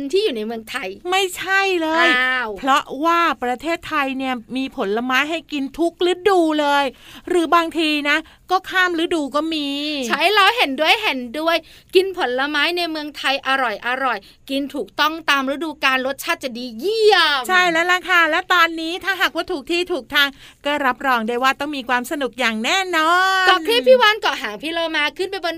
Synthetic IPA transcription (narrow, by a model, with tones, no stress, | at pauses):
nt̪ʰiː˥˩juː˨˩na˧jmɯ˧əŋt̪ʰa˧jma˥˩jt͡ɕʰa˥˩jlɤː˧jwpʰɾɔ˦˥waː˥˩pɾa˧t̪ʰeː˥˩t̪ʰːa˧jni˥˩ɐmiː˧pʰo˩˦nla˧maː˦˥jɦa˥˩jki˧nt̪ʰu˦˥k̚ɾɯː˦˥duː˧lɤː˧jɾɯː˩˦baː˧ŋt̪ʰiː˧na˦˥ | kɔː˥˩kʰaː˥˩mɾɯː˨˦duː˧kɔː˥˩miː˧t͡ɕʰa˦˥jla˧wɦe˨˩˦ndu˥˩əjɦe˨˩˦ndu˥˩əjki˧npʰo˩˦nla˧maː˦˥jna˧jmɯ˧əŋt̪ʰa˧jʔa˧ɾɔ˨˩jʔa˧ɾɔ˨˩j | ki˧nt̪ʰuː˨˩k̚t̪ɔ˥˩ŋt̪aː˧mɾa˦˥duː˧kaː˧nlo˦˥t̪̚t͡ɕʰaː˥˩t̪̚t͡ɕa˨˩diː˧ji˥˩əmt͡ɕʰa˥˩jlɛ˦˥lɛ˧˩kʰa˥˩lɛ˦˥wt̪ɔː˧nːiː˦˥t̪ʰaː˥˩ɦa˨˩k̚waː˥˩t̪ʰuː˨˩k̚t̪ʰiː˥˩t̪ʰuː˨˩k̚t̪ʰaː˧ŋ | kɔː˥˩ɾa˦˥p̚ɾɔː˧ŋdaː˥˩jwaː˥˩t̪ɔ˥˩ŋmiː˧kʰwaː˧msa˧nu˨˩k̚jaː˨˩ŋnɛː˥˩nɔː˧kɔː˨˩pʰiː˥˩pʰiː˥˩waː˧nkɔ˨˩ɦaː˩˦pʰiː˧loː˧maː˧kʰɯ˥˩npa˧jbo˧n